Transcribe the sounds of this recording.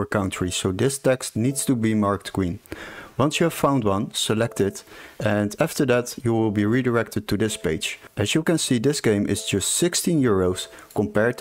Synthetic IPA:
ə˞kʌ̃ntʰɹ̥isoʊdɪstɛkstnidstubimɑɹktɡ̥ɹĩnwʌ̃nsjuəv̥fãʊ̃ndwʌ̃nsəlɛk̚tɪdɛ̃næftə˞ðætjuwɪlˠbiɹidəɹɛk̚təd̚tʰudɪspeɪd͡ʒʔɨzjukɨ̃nsidɪsɡ̥ẽɪ̃mʔɪ̰z̥d͡ʒʌstsɪkstĩnjɪɹoʊs | kɔ̃mpɛɹ̚

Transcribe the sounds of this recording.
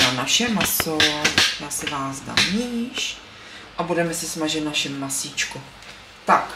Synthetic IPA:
anaʃɛmasovojaːsɛvaːzd̪a̰mɲiɲiʃ | ʔabudɛmɛsɛsmaʒɛt̪naʃɛmːasit͡ʃku | t̪ak

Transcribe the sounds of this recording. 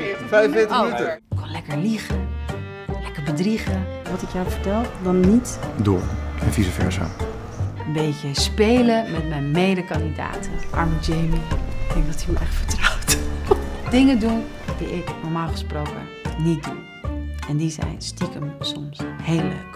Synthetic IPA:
fɛjɪtənytəɪkʋɔnlɛkəɹliχə | lɛkəɹbədriχəʋɑtɪkjafəɹtɛlˠdɑnːitdʊːɹənfizəfɛ̰ɹsa̰ | ənbejkjəspejləmɛtmɛjnmejdəkɑndida̰ːtəʔɑ̰ɹmd͡ʒejndiʋɔtyʔɛχtfəɹtrawt | dɪŋədun | diʔɪknɔɹmaːlˠχəsprowkə̰ | nit̚dṵn | ɛndizɛ̰jnstikəmsɔmshejlə̰k

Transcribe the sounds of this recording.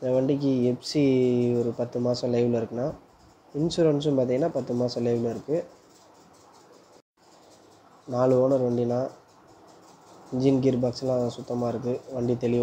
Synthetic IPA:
ɪnd̪ɐʋɐɳɖɪk̬ːiɛpsiɔɾɯpɐt̪ːɯmaːsɐ̃lɐɪʋɪɭɪɾɯkːɯnaː | ɪnsuɾɐnsɯ̃paːɾt̪iŋɡɐnːaːpɐt̪ːɯmaːsɐ̃lɐɪʋɪlɪɾɯkːɯ | naːɭɯoːnɐɾʋɐɳɖinaː | ɪɲd͡ʒɪnɡɪɾbaːkslãːɐðãːsʊt̪ːɐmaːɪɾɯkːɯʋɐɳɖit̪ɛɭɪʋ

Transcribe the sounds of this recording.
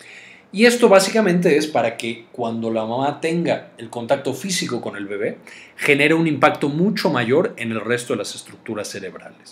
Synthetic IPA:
ie̞st̪o̞βasikamẽ̞nt̪̬e̞espaɾake̞kwand̪o̞lamãmat̪e̞ŋɡaelko̞nt̪ak̚t̪o̞fisiko̞ko̞ne̞lβe̞βe̞xe̞ne̞ɾe̞unĩmpakt̪o̞mũt͡ʃo̞maʝo̞ɾe̞ne̞lre̞st̪o̞ðe̞lase̞st̪ɾuk̚t̪uɾasːe̞ɾe̞βɾa̰les

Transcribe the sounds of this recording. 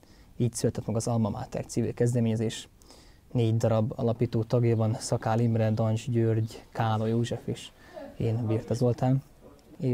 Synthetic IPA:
iːcsylt̪ɛt̪mɛɡɒzɒlmɒmʔa̰ːt̪ɛ̰rt̪siːvḭlkɛzd̪ɛmeːɲɛzeːʃ | neːɟd̪ɒɾɒbɒ̰lɒpiːt̪oːt̪ɒɡjabɒnsɒkaːlimɾɛd̪ɒnd͡ʒɟørɟkaːlo̞joːʒɛfeːʃ | eːnbiːrt̪ɒzo̞lt̪aːm | e

